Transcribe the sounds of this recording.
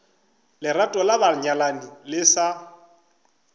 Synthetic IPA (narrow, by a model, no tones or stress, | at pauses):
lɪɾatʼɔlabaɲalanilɪsa